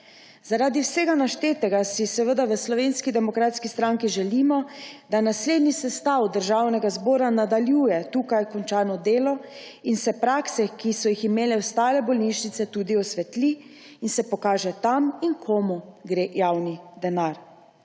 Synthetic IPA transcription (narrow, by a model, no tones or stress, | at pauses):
zaɾaːd̪iwseːɡanaʃt̪eːt̪ɛɡasisɛʋəd̪aʋəslɔʋeːnskid̪ɛmɔkɾaːt̪skist̪ɾaŋkiʒɛliːmɔd̪anasleːd̪nisɛst̪awd̪əɾʒawnɛɡazbɔːɾanad̪aljuːjɛt̪uːkajkɔnt͡ʃaːnɔd̪eːlɔinsɛpɾaːksɛkisɔjiximeːlɛɔst̪aːlɛbɔlniʃnit̪sɛt̪uːd̪iɔsʋɛt̪liː | nsɛpɔkaːʒɛt̪aminkʰomuɡɾeːjawnid̪ɛnaɾ